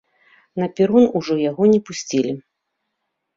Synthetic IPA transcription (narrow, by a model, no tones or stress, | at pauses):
nɐpʲiɾunuʐɔjaɣɔnʲɛpusʲt͡sʲilʲi